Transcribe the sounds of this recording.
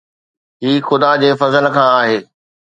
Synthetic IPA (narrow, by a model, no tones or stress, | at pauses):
ɦiːxʊd̪ad͡ʑeːfɐzəlkʰãːaːɦeː